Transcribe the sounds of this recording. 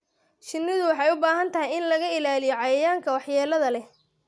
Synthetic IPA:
t͡ʃɪnːɪðʊwɑħɑjʊbaːɦɐnt̪ʰɐɦɛjɪnlɐɣɐɪlaːlɪjɔʕɑjɐjaːŋkʰɐwɑħjɛːlɐðɐlɛ

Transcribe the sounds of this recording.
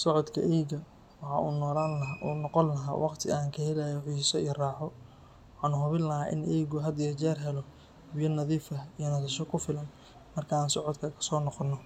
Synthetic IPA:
sɔʕɔd̪kʰɐ̰ʔɛjɡɐ | wɑħɑ̰ːuːnɔːlaːnlɐʔunɔqɔnːɐɦa̰ːwʔɑqt̪ʰɪaːŋkʰɐhɛlajɔʕiːsɔijraːħɔ | wɑħɑːnʊɦʊβɪnlːɐɦaːʔɪ̰nʔɛːɣʊɦɐd̪jɐt͡ʃɛːrɦɛlɔ | bɪjɐnɐðiːfɐijɔnɐsɐʃɔkʰʊfɪlɐn | mɐrkʰɐaːnsɔʕɔd̪kʰɐkʰɐ̥sɔːnɔqɔnːɔ

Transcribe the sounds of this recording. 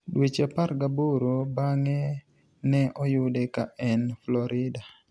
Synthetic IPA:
dwet͡ʃapaɾɡaboɾobaŋɛ | nɛʔɔjʊdɛkaɛnflɔɾɪda

